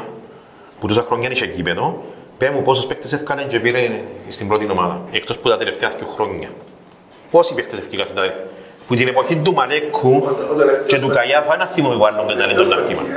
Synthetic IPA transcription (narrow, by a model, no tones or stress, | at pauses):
put̪usɐxɾoɲːɐniʃecipet̪o | pemupos̬ospek̚t̪esefkɐneɲd͡ʒepiɾeist̪imbɾot̪inomaðɐ̰ekt̪osput̪ɐt̪eleft̪eɐθcuxɾoɲːɐ̰ | posipek̚t̪esefcikɐsit̪a | put̪inepoçind̪umɐlekʰːu | t͡ʃet̪ukɐjɐfɐnɐθːimɐmivalːuŋɡɐnd̪ɐlend̪ont̪ɐfkimɐ̰n